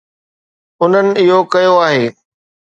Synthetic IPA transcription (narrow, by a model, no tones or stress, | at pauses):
ʊn̤ənɪ̆ɪɦokɐjoaːɦeː